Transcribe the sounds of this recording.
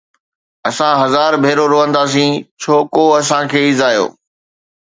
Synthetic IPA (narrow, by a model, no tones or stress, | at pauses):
ɐsãɦɐzaːɾbʱeːɾoɾoːə̃nd̪aːs̬ĩːt͡ɕʰoːkoɐs̬ãkʰeːɪzaːjo̰ː